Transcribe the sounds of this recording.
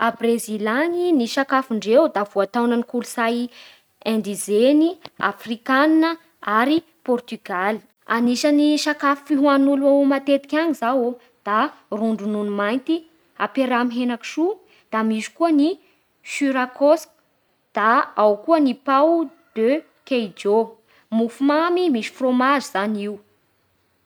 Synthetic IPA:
abrezilaniniʃakafiɳɖ͡ʐewd̪av̥uat̪awnənikulusaj | ɛ̃nɳd̪izenia̰frikaninə | aɾi | pɔrt̪yɡal̥ | a̰niʃaniʃakafifiɦuanuluawmat̪et̪i̥kʲaɲizawo | d̪̥aruɳɖ͡ʐununumajnt̪i | apeɾamɦenaki̥ʃu | d̪̥amiʃu̥kuəni | ʃyɾakosk | d̪̥aawkuənipawd̪̥ø | kejd͡ʒo | mufumamimiʃi̥fromaziz̥aniw

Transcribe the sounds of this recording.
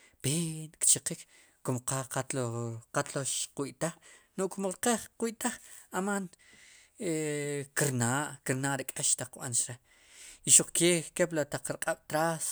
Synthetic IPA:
peːnkt͡ʃiqikː | omqaqat̪loqat̪loʃqwiʔt̪aχnoʔkmoɾqeχqwiʔt̪aχaman | ekiɾnaːʔkiɾnaːʔɾekʼeʃt̪aq͡χːɓa̰nt͡ʃɾe | iʃuq͡χkeːkeplat̪aq͡χɾqʼaɓ̥t̪ɾas

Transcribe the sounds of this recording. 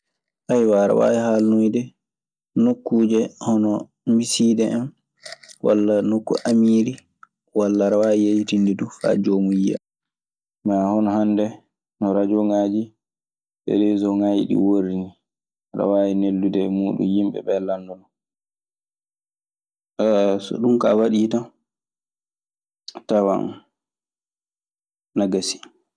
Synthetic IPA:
ʔajwaɾa̰wa̰ːjihalnojdɛ | nokːuːd͡ʒɛhɔnɔ | misiːdɛɛn | wa̰lːanokːṵʔamiːɾi | walːaɾawajijejtindɛdufa̰d͡ʒomuja̰ | maːhɔnɔhandɛ | nɔɾad͡ʒɔŋaːd͡ʒi | ɓɛ̰dɛzɔŋajḭɗḭwoɾini | ɾa̰wajinelːudɛmuːɗṵnjimɓɛ̰ɓɛlandɔnɔ | sɔ̰ɗumkawaɗiːta | tawa̰n | naɡasi̥

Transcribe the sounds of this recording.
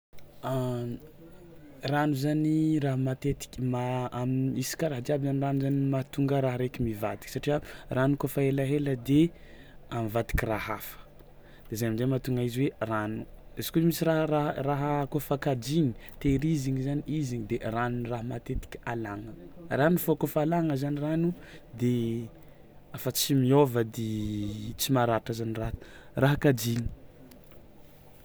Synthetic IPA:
a | ranuzaniraɦamat̪et̪i̥kʲimamiisi̥kaɾaɦəd̪iabizaniranuzanimat̪uŋɡəɾaɦaɾekʲimivat̪i̥ki̥saʈ͡ʂiəranukofaelaɦeləd̪e | amivat̪i̥kʲiraɦa̰fə̥ | d̪̥ezaamizemat̪uŋɡaiziweranuez̥kʲuimisiraɦɾaraɦəkofakad͡ʒiɲit̪eɾiziŋizaniʔiziɲid̪eranunraɦəmat̪et̪i̥kʲə̥alaŋəranufokofalaŋəzaniranud̪e | afət͡simiovəd̪et͡simaɾaʈ͡ʂəzaniraraɦəkad͡ʒiɲi̥

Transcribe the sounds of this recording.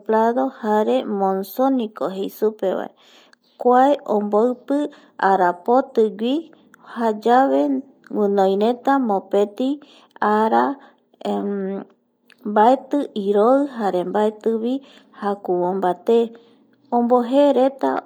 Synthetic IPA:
plaðo̞haɾe̞mõnsonĩkoɦejsupeβa̰e | kʷaeʔõmboɨpɨ | aɾapot̪ɨɡʷi | had͡ʒaβe | wɨ̃nõj̃ɾet̪amõpet̪i | aɾa | mbaet̪ɨʔiɾoɨɦaɾe̞mbaet̪ɨβi | hakuwombat̪e | õmboɦeɾet̪a̰

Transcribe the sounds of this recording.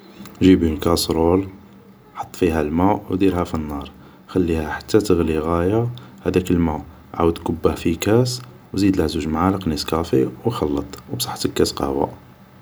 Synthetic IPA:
ʒibinkɑsɾol | ħot̪ˤːfiɦælmuʔwd̪iɾhæfinːɑɾˤ | xælːihæħḁt̪ːæt̪əɣliɣæjahæd̪ækəlmuʔ | ʕa̰wəd̪kʊbːəhfikæs | wzid̪læzuʒmʕalqniskæfiwxɑlːɑt̪ˤwbsˤɑ̥ħt̪əkːæsqɑ̰hwa̰

